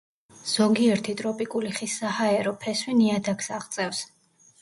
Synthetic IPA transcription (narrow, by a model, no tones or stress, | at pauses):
z̥ɔɡiɛɾt̪ʰit̪ʼɾɔpʼikʼuliχisːahaɛɾɔpʰɛswiniad̪akʰsaʁt̪sʼɛfs